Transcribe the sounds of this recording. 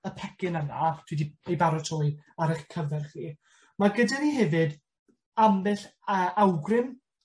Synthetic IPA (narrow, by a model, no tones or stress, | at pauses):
əpʰɛkɪnənatʰwidiejbaɾɔtʰɔːjaɾɛχkʰəvɛrχiː | maɡədaniɦɛvɨd | ambɪɬəːʔawɡrɪm